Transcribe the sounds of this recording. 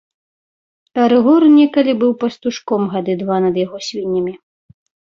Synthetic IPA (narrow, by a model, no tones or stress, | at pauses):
t̪ɐɾɨɣɔrnʲɛkɐlʲibɨwpɐst̪uʂkɔmɣad̪ɨd̪vanɐd̪jaɣɔsʲvʲinʲːɐmʲi